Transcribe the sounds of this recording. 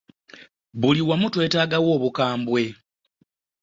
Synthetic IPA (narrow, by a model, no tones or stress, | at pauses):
βuliwamutwe̞ːtaːɡawo̞ːβukaːmbwe̞